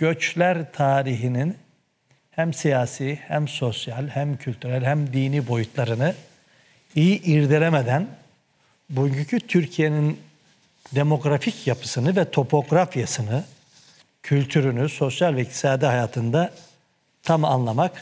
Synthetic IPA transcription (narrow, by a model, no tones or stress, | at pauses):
ɟ̥ø̞t͡ʃlʲæɾt̪ʰaːɾiɦinin | hæmsijaːsiːhæmso̞sjalʲhæmcʰylʲt̪ʰyɾælʲhæmd̪iːniːbo̞jut̪ʰlˠaɾɯnɯ | ijiʔiɾd̪elʲemed̪æn | bujycʰycʰyt̪ʰyɾcʰije̞nin | d̪e̞mo̞ɡɾaficʰjapʰɯ̥sɯnɯvɛt̪ʰo̞pʰo̞ɡɾafjasɯnɯ | cʰylʲt̪ʰyɾynyso̞sjalʲvɛik̚t̪ʰi̥saːd̪iɦajaːt̪ʰɯnd̪a | t̪ʰamanlˠamak